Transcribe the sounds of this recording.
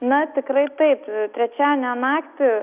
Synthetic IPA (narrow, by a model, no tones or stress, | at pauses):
nɐt̪ʲɪkɾɐɪt̪ɐɪpt̪ʲɾʲɛt͡ʃʲæːnʲɛnɑːkt̪ʲɪ